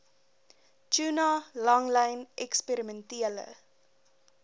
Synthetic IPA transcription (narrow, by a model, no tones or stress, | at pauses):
t͡ʃunɑlɐŋlɛjnʔɛkspeɾimɛntiələ̰